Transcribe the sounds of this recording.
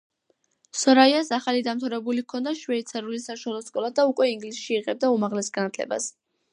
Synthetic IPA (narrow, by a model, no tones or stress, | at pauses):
sɔɾaiasaχalid̪amt̪ʰavɾɛbulikʰɔnd̪aʃwɛit̪sʰɛɾulisaʃalˠɔskʼɔlˠad̪aukʼwɛiŋɡlisʃiːʁɛb̚d̪aumaʁlɛsɡanat̪ʰlɛ̰ba̰s